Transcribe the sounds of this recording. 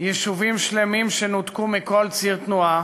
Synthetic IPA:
jɛʃuvimʃlemimʃenot̪kumiko̞lt͡siʁt̪nua

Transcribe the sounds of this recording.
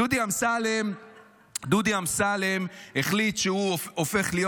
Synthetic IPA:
ud̪iamsalem | d̪ud̪iamsalemeχlit̪ʃehuofe̞χlijo

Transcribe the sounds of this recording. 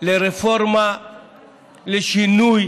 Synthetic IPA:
leɾefɔɾma | leʃinuj

